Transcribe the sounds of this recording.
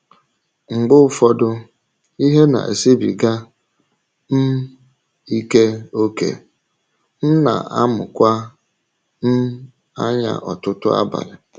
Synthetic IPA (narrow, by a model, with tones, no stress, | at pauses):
ŋ͡m̩˨ɡ͡bʊ˦fɔ˦dʊ˦ | i˦ɦe˦na̰˨ḛ˨si˦bi˨ɡa˦ | n̩˦ | i˦ke˦o˦kḛ˨ | n̩˦na̰˨a˦mʊ̰˨kʷa˦ | n̩˦ | a˦ɲa̰˨ʔɔ˨tʊ˦tʊ˦a̰˦ba̰˨ɾɪ˨